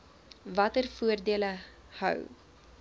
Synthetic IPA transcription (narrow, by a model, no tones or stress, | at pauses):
vɐtərfuərdiələ | hœ̰w